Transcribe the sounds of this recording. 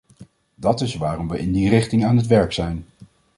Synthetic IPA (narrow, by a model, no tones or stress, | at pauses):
dɑtɪsʋaːrɔmʋəʔɪndirɪχtɪŋaːnɦətʋɛɹksɛjn